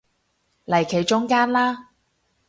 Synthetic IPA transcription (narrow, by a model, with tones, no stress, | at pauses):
lɐ˨˩jkʰe˨˩jt͡ʃʊ˥ŋkaː˥nlaː˥